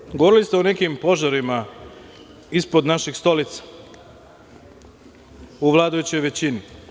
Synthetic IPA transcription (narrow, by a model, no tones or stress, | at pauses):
ɡoʋo̞ɾilist̪eunekimpo̞ʒaɾima | ispo̞d̪naʃixst̪o̞lit̪sḁ | uʋlˠad̪ajut͡ɕejʋe̞t͡ɕini